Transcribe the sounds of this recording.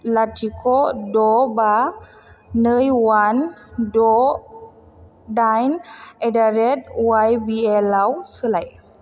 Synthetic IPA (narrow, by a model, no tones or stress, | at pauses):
latikʰodoba | nəjwandɔ | dajnɛdaɾɛt̚wajbiɛlawsəlaj